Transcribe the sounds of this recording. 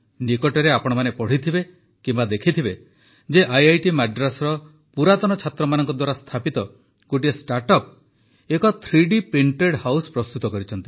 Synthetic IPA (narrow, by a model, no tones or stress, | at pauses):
nikɔʈɔɾeapɔɽ̃ɔmanepɔɽ̤it̪ʰibe | kimbad̪ekʰit̪ʰibe | d͡ʒeʔajajʈimaɖɾasɔɾɔ | puɾat̪ɔnɔt͡ʃʰat̪ɾɔmanɔŋkɔd̪waɾast̪ʰapit̪ɔ | ɡ̥oʈiesʈaɾʈɔp̚ | ekɔt̪ʰɾiɖipiɳʈeɽhawsɔ̥pɾɔst̪ut̪ɔkɔɾit͡ʃʰɔnt̪i